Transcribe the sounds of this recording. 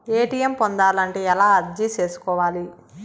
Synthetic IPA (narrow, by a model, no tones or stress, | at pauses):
eːʈijɐmpond̪aːlɐɳʈeːɛlaːɐɾd͡ʒit͡ʃe̞ːsu̥kɔːʋaːli